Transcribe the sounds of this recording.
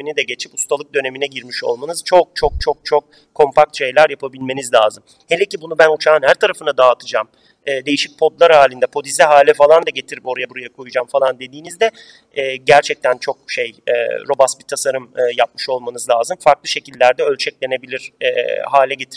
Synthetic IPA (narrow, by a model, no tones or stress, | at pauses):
inid̪ɛɟe̞t͡ʃʰipust̪ʰalˠɯk̚d̪ø̞ne̞minɛɟiɾmiʃo̞̰lˠmanɯz̥t͡ʃʰo̞k̚t͡ʃʰok̚t͡ʃʰok̚t͡ʃʰo̞k̚ | kʰːo̞mpʰak̚t̪ʃe̞jlʲæɾjapʰabilʲme̞nizlʲaːzɯm | helʲecibunubænut͡ʃʰaːnhæɾt̪ʰaɾafɯnad̪aːt̪ʰɯd͡ʒaːm | ɯːd̪e̞jiʃic̚pʰo̞d̪lˠaɾhaːlʲind̪ɛpʰo̞d̪izɛɦaːlʲɛfalˠand̪aɟe̞t̪ʰiɾipo̞ɾajabuɾajakʰojud͡ʒaːmfalˠand̪e̞d̪iːnizd̪ɛ | ɛɟæɾt͡ʃʰɛc̚t̪ʰænt͡ʃʰo̞k̚ʃe̞jɛ̰ːɾo̞basbit̪ʰasaɾɯmɯjap̚mɯʃo̞lˠmanɯzlʲˠaːzɯmfaɾklˠɯʃe̞cʰilʲːæɾd̪ɛølʲt͡ʃʰɛclʲe̞ne̞bilʲiɾ̥ɛ̰ːhaːlʲɛɟe̞t̪ʰiɾ